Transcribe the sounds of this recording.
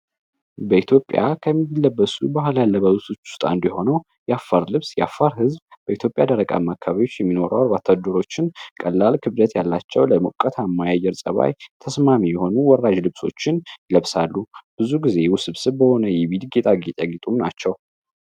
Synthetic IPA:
bəit̪ʰjo̞pʼːja̰kʰəmːilːəbːəsubahljalːəbəwt̪ʰot͡ʃːʊ̥st̪ʼa̰ɨnd̪jɛho̞nəw | jɛafːaɾlɨβsjɛafːaɾhɨzbb̥əit̪ʰjo̞pʼjad̪əɾəkʼa̰mːakʰːaβajo̞t͡ʃːjɛmːino̞ɾəwaɾbat̪ʰad̪əɾo̞t͡ʃːɪnkʼəlːalkʰɨβd̪ət̪jalːat͡ʃːɛwləmukʼːət̪ʰamːajajːɛɾsʼəβa̰jt̪ʰəsmamijɛho̞nuwɔrːad͡ʒlɨβso̞̰t͡ʃːɪnjɪləβsalːub̥ɨzuɡize̞wusɨβsɨβbəho̞nəjɛβilɡet̪ʼaɡit̪ʼaɡit̪ʼumnat͡ʃːɛw

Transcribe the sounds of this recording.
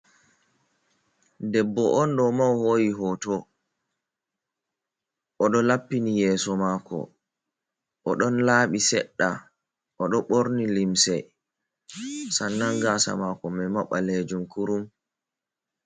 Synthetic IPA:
dɛbːɔʔɔnɗɔmawhoːjiɦɔːtɔ | ʔɔɗɔlapːinijɛːsɔmaːkɔ̰ | ʔɔɗɔnlaːɓisɛɗːa | ʔɔɗɔɓoɾnilimsɛ̰ | sanːaŋɡasa̰makɔmɛmaɓːaled͡ʒumkuɾum

